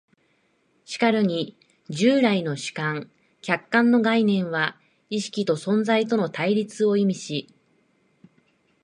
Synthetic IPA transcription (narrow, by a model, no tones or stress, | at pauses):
ɕi̥kaɾɯ̟ɲ̟i | d͡ʑɨːɾaino̞ɕi̥kãŋ | kʲakːãnːo̞ɡainẽ̞ɰ̃βa | iɕi̥kʲit̪o̞sõ̞nd͡zait̪o̞no̞t̪aiɾʲit͡sɨo̞imʲiɕi